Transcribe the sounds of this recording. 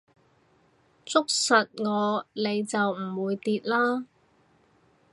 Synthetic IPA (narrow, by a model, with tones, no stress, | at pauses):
t͡sʊ˥k̚sɐ˨t̚ŋɔː˨˧le˨˧jt͡sɐ˨wm̩˨˩wuː˨˧jt̪iː˧t̚laː˥